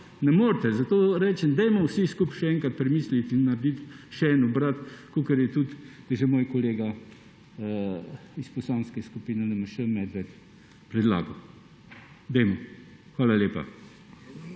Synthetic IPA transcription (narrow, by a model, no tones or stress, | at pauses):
nɛmoːɾt̪ɛzat̪oːɾɛːt͡ʃɛnd̪ɛjmɔwsiskupʃɛɛːŋkat̪̚pɾɛmiːslit̪inːɐɾd̪it̪ʃɛɛːnɔbɾat̪koːkɛɾjɛt̪ut̪d̪ɐʒɛmoːjkɔleːɡa | ispɔsanskɛskupiːnɛnɛmɐʃəmɛd̪ʋɛt̪ | pɾɛd̪la̰ːɡɐ | d̪ɛjmɔ | xʋaːlalʲjeːpa̰